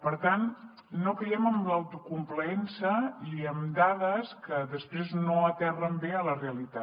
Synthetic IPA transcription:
pəɾt̪anː | okəjɛməmləwt̪ukumpləɛnsəiəmd̪aðəskəðəspɾeznoət̪ɛrəmbeələreəlit̪a

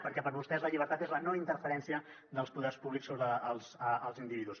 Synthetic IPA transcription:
pəɾkɛpəɾβust̪ɛzləʎiβəɾt̪at̪ezlənoint̪əɾfəɾɛnsiə | d̪əlˠspuðɛrspuβliksoβɾəːlˠzəəlˠzind̪iβiðus

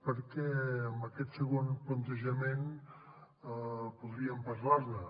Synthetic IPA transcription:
pəɾkɛəmbəkɛt̪səɣonplənt̪əʒəmen | puðɾiəmpəɾlaɾnə

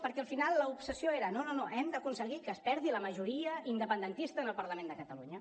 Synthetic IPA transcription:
pəɾkɛəlˠfinalˠːəupsəsjoeɾənononoʔɛmd̪əkunsəɣikəːspɛɾðiləməʒuɾiəind̪əpənd̪ənt̪ist̪əːnəlˠpəɾləmẽnd̪əkət̪əluɲə

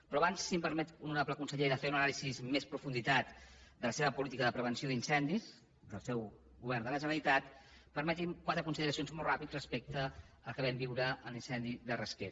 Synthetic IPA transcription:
pɾɔaβansːimpəɾmɛt̪unuɾapləkunsəʎeðəfeunənalisizmespɾufund̪it̪at̪d̪ələseβəpulit̪ikəðəpɾəβ̞ənsioðinsɛnd̪is | d̪əlˠsɛw | ɣuβɛrnd̪ələʒəɾəɾit̪at̪ | pəɾmət̪imkwat̪ɾəkunsiðəɾəsionzmɔlˠrapid͡zrəspek̚t̪ə | əlˠkəβɛmbiwɾəəlinsɛnd̪iðərəske

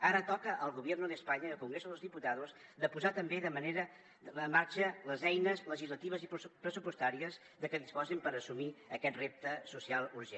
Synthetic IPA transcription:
aɾət̪ɔkəʔəlˠɣuβɛrnuðəspaɲəiəlˠkuŋɡɾezoðəlˠzðiput̪aðuz | d̪əpuzat̪əmbeðəməneɾə | əmːaɾt͡ʃələzɛjnəzləʒizlət̪iβ̞əzippɾəsupust̪aɾiəz | ðəkəðispɔzimpəɾəsumiəkɛt̪rep̚t̪əsusialˠuɾʒe

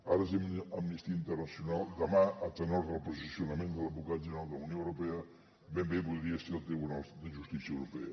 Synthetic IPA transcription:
aɾəsiməmnist̪iəint̪ərnəsjunalˠd̪əmaʔət̪ənɔɾðəlˠpuzisiunəmẽnd̪ələbukat̪ʒəɾalˠd̪ələunjoəwɾupɛə | bembeβulˠɾiəsilˠt̪eβunalˠsd̪əʒust̪isiəwɾupɛ̰ə

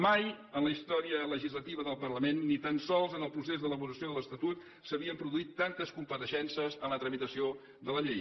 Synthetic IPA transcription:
maj | ənləist̪ɔɾiələʒizlət̪iβəðəlˠpərləmenːit̪ansɔlˠzənəlˠpɾusezðələβuɾəsioðələst̪ət̪ut̪ | səβiəmpɾuðuit̪ːant̪əskumpəɾəʃɛnsəzənlət̪ɾəmit̪əsio | ðələʎej

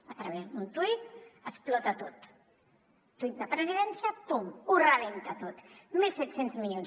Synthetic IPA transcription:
at̪ɾaβ̞ezd̪unt̪wit̪̚asplɔt̪at̪ot̪ | uit̪apɾeziðɛnsjat̪umuɾament̪at̪ot̪milˠsɛt̪senzmiʎon

